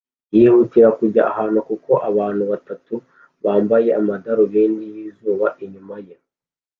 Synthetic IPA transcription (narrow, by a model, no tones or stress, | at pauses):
jiːhutiɾakuɟaʔahaːnukuko̞ʔaβaːn̥huβatatu | βaːmbaje̞amadaɾoβeniβiːzuːβaʔiɲumaje